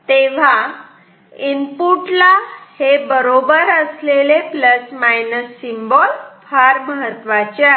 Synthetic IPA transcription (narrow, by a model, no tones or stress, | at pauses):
t̪eʋ̤a | impuʈlahebəɾobəɾəslelepləsmajnəsːimbɔlfaɾməɦət̪ʋat͡ɕa